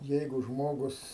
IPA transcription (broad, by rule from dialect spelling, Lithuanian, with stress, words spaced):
ˈjɛɪɡʊ ˈʒmoːɡʊs